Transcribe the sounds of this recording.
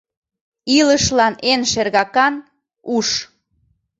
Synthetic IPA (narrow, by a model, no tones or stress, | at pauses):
iləʃlɑnenʃerɣɑkɑn | uʃ